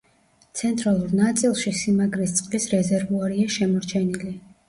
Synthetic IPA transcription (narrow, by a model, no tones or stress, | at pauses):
t̪sʰɛnt̪ʼɾalˠuɾnat̪sʼilˠʃisimaɡɾist̪sʼqʼlisɾɛzɛɾvuaɾiaʃɛmɔɾt͡ʃʰɛnili